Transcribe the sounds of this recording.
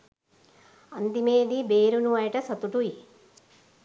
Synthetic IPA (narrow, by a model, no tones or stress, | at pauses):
ɐnd̪imeːd̪ibeːɾunuɐjʈɐsɐt̪uʈui